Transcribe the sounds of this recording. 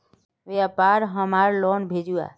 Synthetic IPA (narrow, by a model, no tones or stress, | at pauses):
ʋeapaːɾɦəmaːɾlɔːnbʱeːd͡ʒua̰ː